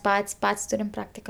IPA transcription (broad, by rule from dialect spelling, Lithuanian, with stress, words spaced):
ˈpɐtʲsʲ ˈpɐtʲsʲ ˈtʊrʲɪm ˈprɑːktʲɪkɐ